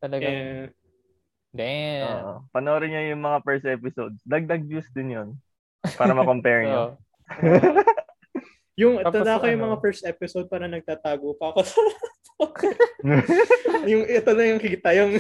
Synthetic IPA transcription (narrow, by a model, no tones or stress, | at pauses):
t̪ɐlɐɡɛ | dɛ̰ʔopɐnoːɾɪɲajʊŋmɐŋapɛɹst̪̚ʔɛpɪsod̪̚sd̪ɐɡ̚d̪ɐɡ̚d͡ʒusd̪ɪnjon | paːɾɐmɐkompɛɹɲa | jʊŋt̪ɐd̪aɐkojʊŋmɐŋafɛɹst̪̚ʔɛpɪsowd̪̚paːɾɐnɐɡ̚t̪aːt̪aːɡopɐkosat̪o | jʊŋɛt̪olɐjʊŋkit̪ɐjʊŋ